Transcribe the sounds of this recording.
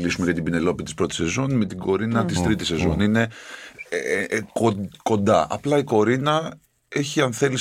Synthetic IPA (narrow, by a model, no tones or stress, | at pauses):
lisume̞ʝɐt̪ibine̞lo̞pit̪ispɾo̞t̪i̥se̞zo̞nme̞t̪iɡo̞ɾinɐt̪ist̪ɾit̪ise̞zo̞̰nine̞ | koko̞nd̪ɐʔɐ̰plɐiko̞ɾinɐ | e̞çiɐnθe̞li